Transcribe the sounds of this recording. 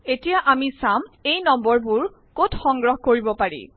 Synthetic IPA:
etijaʔamisamejnɔmbɔɹbuɹ | kotxɔŋɡɹɔɦkoɹibɔpaɹḭ

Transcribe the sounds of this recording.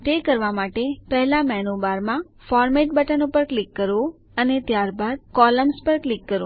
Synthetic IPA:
t̪ekəɾʋamaʈepɛɦlamɛnobaɾmã | fɔɾmeʈ̚bəʈənopəɾklikːəɾʋõ | ənet̪jaɾbad̪̚kɔləmspəɾklikːəɾõ̰

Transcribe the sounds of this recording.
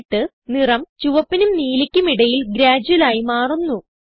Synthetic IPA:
ʈːɨ | nirɐmt͡ɕuʋɐpːinumniːlikʲːumiɽɐjilɡɾaːd͡ʑɐlaːjimaːrunːu

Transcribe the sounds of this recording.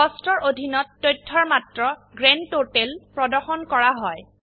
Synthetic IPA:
ɔstɔɹʔodʱinɔtːɔjtʰːɔɹmatɹɔɡɹentotelpɹɔdɔɹxɔnkɔɹaɦɔj

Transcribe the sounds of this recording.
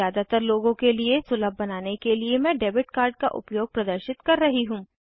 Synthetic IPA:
aːd̪at̪əɾloːɡõkeliesʊləbʱːɐnaːnekeliemɛ̃ːɖeːbɪʈ̚kaːɾɖka̰ʔʊ̰pjoːɡ̚pɾɐd̪əɾʃɪt̪kɐɾːɐɦiɦũː

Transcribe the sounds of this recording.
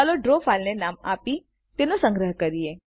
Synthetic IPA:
aːloɖɾoːfʰaːlnenaːmaːpi | t̪enõsə̃ŋɡɾəɦkɐɾieː

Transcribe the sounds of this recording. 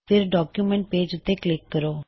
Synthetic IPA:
pʰɪɾɖɔːkjuːmɛ̃ɳʈ̚peːd͡ʒʊt̪ːeːklɪkːəɾoː

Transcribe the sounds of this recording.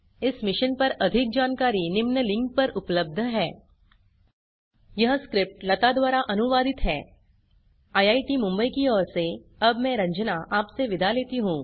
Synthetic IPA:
ɪsmɪʃənpɐɾɐd̪ʱɪk̚d͡ʒaːnkaːɾinɪmnəlɪ̃ŋk̚pɐɾʔʊpləb̚d̪ʱəɦɛː | jɐɦskɾɪp̚ʈlɐt̪ad̪waːɾaʔɐnʊʋaːd̪ɪt̪ɦɛː | aːjaːiʈimʊ̃mbəikiɔːɾseɐbmɛ̃ɾɐ̃ɲd͡ʒnaʔaːpseʋɪd̪ʱaleːt̪iɦũː

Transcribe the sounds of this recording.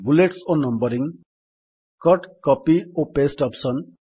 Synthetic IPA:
buleʈsonʌmbʌɾiŋ | kʌʈkʌpiopesʈʌpsʌn

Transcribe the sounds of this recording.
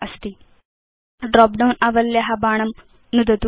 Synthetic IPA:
ɐst̪i | ɖɾɔːp̚ɖɐwnɐʋɐljɐɦɐbaːɳɐm | nud̪ɐt̪u

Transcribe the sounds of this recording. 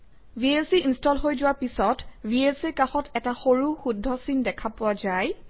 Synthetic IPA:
bʱielsiinstɔlɦojzʊwaɹpisɔtbʱielsikaxɔtɛtaxoɹuxudʱːɔsindɛkʰapʊwazaj

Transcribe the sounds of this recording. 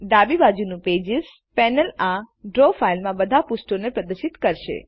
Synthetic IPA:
ɖ̪abibad͡ʒunũped͡ʒɪs | pɛnəlaɖɾofailmãbəd̪ʱapusʈonepɾəd̪əʃit̪kəɾʃḛ

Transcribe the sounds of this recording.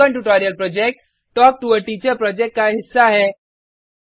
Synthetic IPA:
ə̃ɳʈuʈɔːɾijəlpɾɔd͡ʒek̚ʈ | ʈɔːk̚ʈuəɾʈit͡ʃəɾpɾɔd͡ʒekʈ̚kaɦɪsːaɦɛː

